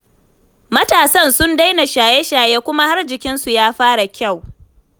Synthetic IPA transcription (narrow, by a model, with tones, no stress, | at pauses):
mɐ˦taː˨sɐ˦˨nsʊ˦nda˦jna˨ʃaː˨jɛ˦ʃaː˨jeː˦kʷʊ˦ma˦ha˦rd͡ʒɪ˨kʲɪ˦nsu˨jaː˦ɸaː˦ɽa˨kʲa˦˨w